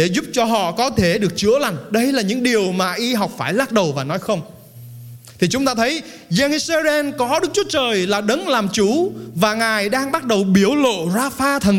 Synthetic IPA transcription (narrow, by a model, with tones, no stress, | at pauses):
ɗe˧˩zʊ˦˥p̚t͡ɕɔ˧ɦɔ̰˧˨kɔ˨˦t̪ʰe˧˩ɗɨ˨˩ək̚t͡ɕɨ̰˧˥əla˨˩jŋ̟ɗə˧jlaː˨˩ɲɨ̰˧˥ŋɗi˨˩əwmaː˨˩ʔi˧ɦa˨˩wk͡p̚faː˧˩jlaː˦˥t̚ɗə˨˩wvaː˨˩nɔ˨˦jxə˧wŋ͡m | t̪ʰi˨˩t͡ɕʊ˨˦ŋ͡mt̪aː˧t̪ʰə˨˦j | zɛ˧ni˧se˧zɛ˧nkɔ˨˦ɗɨ˦˥k̚t͡ɕɨ˦ət͡ɕəː˨˩jlaː˨˩ɗə˨˦nlaː˨˩mt͡ɕu˧˦vaː˨˩ŋaː˨˩jɗaː˧ŋɓa˦˥t̚ɗə˨˩wɓi˧˩əwlo̰˧˨zaː˧faː˧t̪ʰə˨˩n